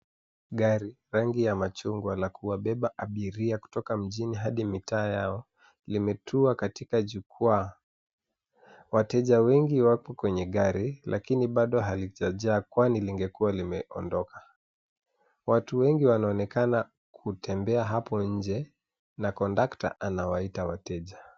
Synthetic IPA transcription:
ɠaɾi | ɾaŋɡijamat͡ʃuŋɡwalakuwaɓɛɓaʔaɓiɾiaku̥tɔkam̩ʄiniɦaɗimitʰaːjaɔ | limɛtʰuakatikaʄukʰa | watɛʄawɛŋɡiwapɔkwɛɲɛɠaɾilʔakiniɓaɗɔɦaliʄaʄaːkwaniliŋɡɛkualimɛʔɔndɔkḁ | watuwɛŋɡiwanaɔnɛkana | kʰutʰɛmbɛaɦapɔɲ̩d͡ʒɛ | nakɔndakta̰ʔanawaitawatɛʄa

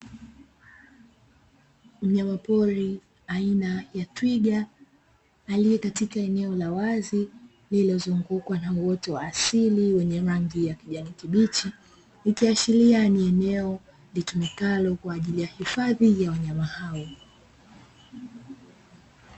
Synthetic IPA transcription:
m̩ɲamapɔɾi | ainajatwiɠaː | lijɛkatikaɛnɛɔlawazi | lilɔzuŋɡukwanauwɔtɔwaːsiliwɛɲɛɾaŋɡijakiʄanikiɓit͡ʃi | nikiaʃilianiɛnɛɔ | litumɛkalɔkwaːʄilijahifaðijawaɲamahawɔ

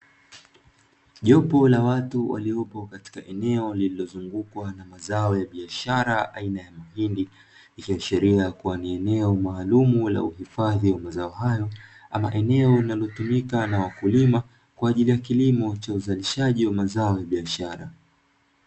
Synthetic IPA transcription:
ʄɔpɔlawatuwa̰liɔpɔkati̥kaʔɛnɛɔlililɔzuŋɡukwanamazaɔjaɓiaʃaɾaʔa̰inajamahindi | ikiwaʃɛɾiajkuwaniɛnɛɔmaːlumula̰uhifaðiwamazaɔɦajɔa̰ma̰ʔɛnɛɔlinalɔtumikanawakulima | kwaːʄilijakilimɔt͡ʃauzaliʃaʄiwamazaɔjaɓiaʃaɾa

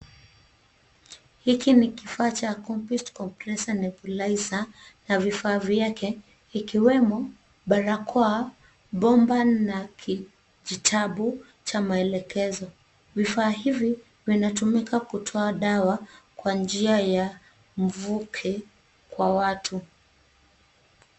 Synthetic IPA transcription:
hikinikifaːt͡ʃakɔmpustkɔmplɛsanɛpulaizanavifaːvjakɛ | ikiwɛmɔ | ɓaɾakʰɔa | ɓɔmbanakʰi | ʄitʰaɓu | t͡ʃamaɛlɛkɛzɔ | vifaːɦivi | vinatumikakutʰɔaɗawakwand͡ʒiaja | m̩vukʰɛ | kwawatʰu

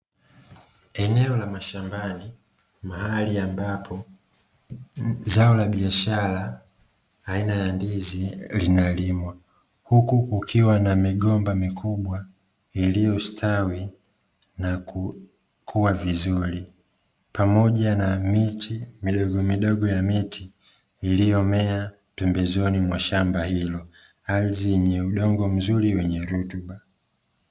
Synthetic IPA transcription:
ɛnɛɔlamaʃambani | mahaliambapʰɔ | zaɔlaɓiaʃalaː | inajandizilinalimwa | hukukukʰiwanamiɠɔmbamikʰuɓwa | ilijɔstʰawi | naku | kʰuwavizuɾi | pamɔʄanamitʰimiɗɔɡɔmiɗɔɠɔjamitʰiː | lijɔmɛa | pɛmbɛzɔnimwaʃambahilɔ | aliziɲɛuɗɔŋɡɔm̩zuɾiwɛɲɛɾutuɓa

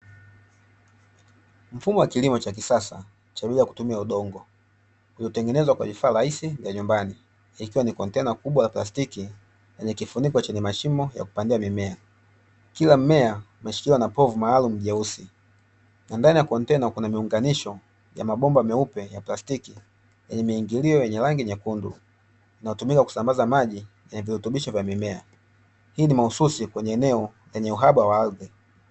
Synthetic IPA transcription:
m̩fumɔwakilimɔt͡ʃak̬isasa̰ | t͡ʃaɓiliaku̥tumiauɗɔŋɡɔ | uliɔtɛŋɡɛnɛzwakwa̰vifaːɾahisivjaɲumbani | ikiwanikɔntɛnakuɓwalaplastiki | lɛɲɛkifunikwat͡ʃɛɲɛmaʃimɔja̰ku̥pandiamimɛa | kilam̩mɛa | maʃi̥kilwanapɔvumaːlum̩ʄausi | nandanijakɔntɛnɔkunamiuŋɡaniʃɔ | ja̰maɓɔmbamɛupɛjaplastiki | jɛɲɛmiːŋɡiliɔjɛɲɛlaŋɡiɲɛkundṵ | inajɔtumikaku̥sambazamaʄi | jɛɲɛvihutuɓiʃɔvjamimɛa | hiːnimahususikwɛɲɛːnɛɔ | lɛɲɛuɦaɓawaalɡɛ

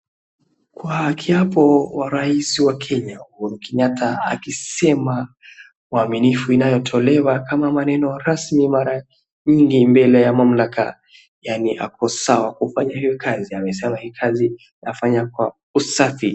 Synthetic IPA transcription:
kwakʰiapɔwaɾaisiwakʰɛɲauhuɾukɛɲatʰaa̰kisɛma | waminifuinajɔtʰɔlɛwakamamanɛnɔɾasmimaɾa | ɲiŋɡimbɛlɛjamam̩lakʰa̰ | janiʔa̰kɔsawakufaɲahijɔkʰaziamɛsɛmahikʰazi | afaɲakwa | usafi

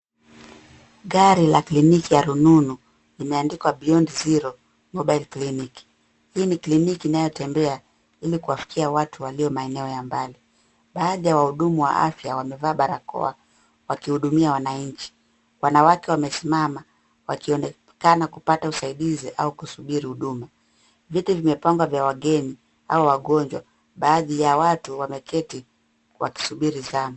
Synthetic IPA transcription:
ɠaɾilaklinikijaɾununu | limɛandikwaɓiɔndiziɾɔ | mɔɓailkliniki̥ | hiniklinikiːnajɔtɛmbɛa | ilikuwafi̥kʰiawatʰuwaliɔmaɛnɛɔjambali | ɓaːðijawahuɗumuwa̰ʔa̰fjawamɛvaːɓaɾakɔ̰a | wakihuɗumiawanaɲ̩t͡ʃi̥ | wanawakɛwamɛsimama | wakiɔnɛ | kanakupatausaiɗiziʔaukusuɓiɾihuɗuma | vitivimɛpaŋɡwavjawaɠɛni | a̰ɔwaɠɔɲd͡ʒwa̰ | ɓaːðijawatuwamɛkʰɛti | wa̰ki̥suɓiɾizama

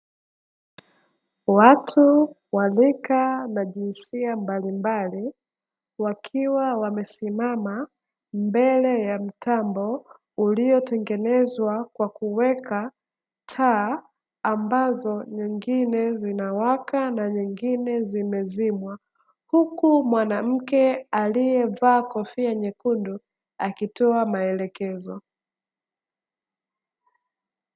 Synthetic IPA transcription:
watʰu | walikanaʄinsiambalimbali | wakʰiwawamɛsimama | mbɛlɛjam̩tambɔ | ulijɔtɛŋɡɛnɛzwakwakuwɛka | tʰaː | mbazɔɲiŋɡinɛzinawakanaɲiŋɡinɛzimɛzimwa | hukumwanam̩kɛalijɛvaːkɔfiaɲɛkundu | akitɔamaɛlɛkɛzɔ

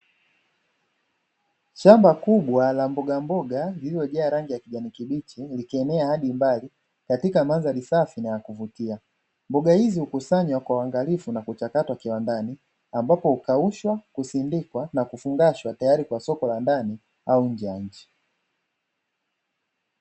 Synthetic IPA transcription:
ʃambakuɓwalambɔɡambɔɡalililɔʄɛaɾaŋɡijakiʄanikiɓit͡ʃilikɛnɛahaɗimbali | katikamanzalisafinajakuvutia | mbɔɡahizihukusaɲwakwawaŋɡalifunakut͡ʃakatwakiwandani | ambapɔhukauʃwakusindikwanakufuŋɡaʃwatajaɾikwasɔkɔlandani | auɲ̩d͡ʒɛjaɲ̩t͡ʃi̥

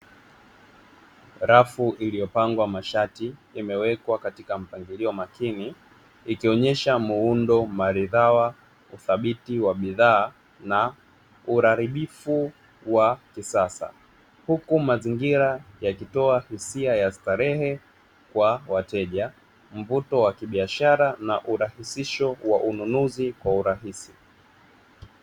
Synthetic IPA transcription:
ɾafuʔilijɔpaŋɡwamaʃatiːmɛwɛkwakatikam̩paŋɡiliɔmakini | ikiɔɲɛʃamuundɔmaɾiðawa | uθaɓitiwaɓiðaː | na | uɾaɾiɓifu | wakisasa̰ | hukumaziŋɡiɾajakitɔahisiajastaɾɛhɛ | kwawatɛʄa | m̩vutɔwakiɓiaʃaɾanaʔuɾahisiʃɔwaʔununuzikwauɾaɦisi

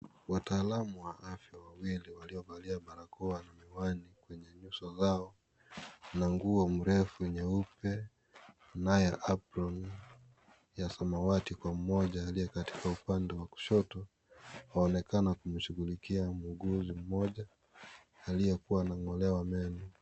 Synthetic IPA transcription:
wataːlamuwaʔafjawawiliwaliɔvaliaɓaɾakɔwanamiwanikwɛɲɛɲusɔzaɔ | naŋɡuɔm̩ɾɛfuɛɲɛupɛ | najɛʔapɾɔn | jasamawatikwam̩mɔʄaːlijɛkati̥kaupandɛwaku̥ʃɔtɔ | haɔnɛkanakum̩ʃuɣulikiamuɡuzim̩mɔʄa | alijɛkuwanaŋɔlɛwamɛnu

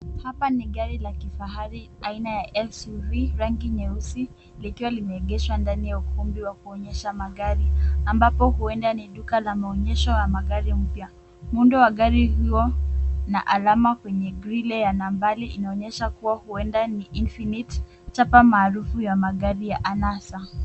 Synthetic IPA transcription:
hapaniɠaɾilakifaɦaɾiainajaʔɛlsuviɾaŋɡiɲɛusi | likiwalimɛːɠɛʃwandanijaukumbiwakuɔɲɛʃamaɠaɾiambapɔhuɛndaniɗukalamaɔɲɛʃɔjamaɠaɾim̩pja | mundɔwaɠaɾihiɔna̰ʔalamakwɛɲɛɡɾilɛjanambaliʔinaɔɲɛʃakuwahuɛndaniʔinfinit | t͡ʃapamaːɾufujamaɠaɾijaʔanasa

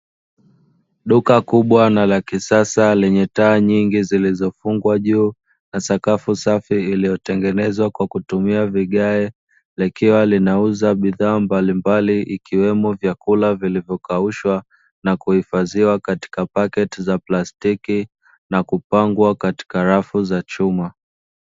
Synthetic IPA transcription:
ɗukakuɓwanalakisasalɛɲɛtaːɲiŋɡizilizɔfuŋɡwaʄuː | nasakafusafiːlijɔtɛŋɡɛnɛzwakwakutumiaviɠaɛ | lɛkiwalinauzaɓiðaːmbalimbaliʔikiwɛmɔvjakulavilivjɔkauʃwa | nakuhifaziwakati̥kapakɛtizaplastiki | nakupaŋɡwakati̥kaɾafuzat͡ʃuma

